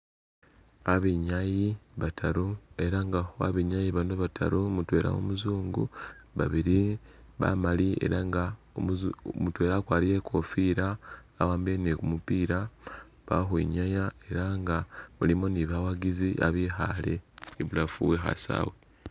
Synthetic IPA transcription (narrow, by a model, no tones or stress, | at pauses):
aβiɲajiβatʰaɾoe̞ɾaŋɡaoa̰βiɲajiβanoβatʰa̰ɾomutwe̞ːɾʔa̰o̰muzuːŋɡṵβa̰βiɾiβa̰malie̞̰ɾaŋɡa | omutwe̞ːɾakwaːlijekʰo̞fiːɾaː | waːmbenekumupiːɾa | βa̰ɦwḭɲajae̞ɾaŋɡaβulimoniβawaɡiziʔa̰βiɦa̰le̞ːβulafuweɦa̰sa̰ːwe